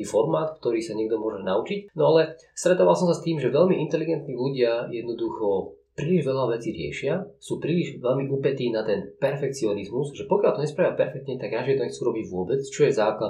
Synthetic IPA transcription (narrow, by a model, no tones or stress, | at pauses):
ifɔɾmaːt̪kt̪ɔɾiːsaɲɛɡd̪ɔmʊɔʒɛnaut͡ʃicnɔalɛ | st̪ɾɛt̪ɔʋalsɔmsast̪iːmʒɛʋɛʎmiʔint̪ɛliɡɛnt̪niːluɟɪajɛd̪nɔd̪uxɔpɾiliʒʋɛʎaʋɛt͡siːɾɪɛ̰ʃɪasuːpɾiliʒʋɛʎmiʔupɛt̪iːnat̪ɛnpɛɾfɛk̚t͡siɔnizmuzʒɛpɔkɪalt̪ɔɲɛspɾaːʋjapɛɾfɛk̚t̪ɲɛt̪aɡɾaʒɪɛt̪ɔɲɛxt͡suːɾɔbiɟʋʊɔbɛt͡st͡ʃɔjɛzaːkla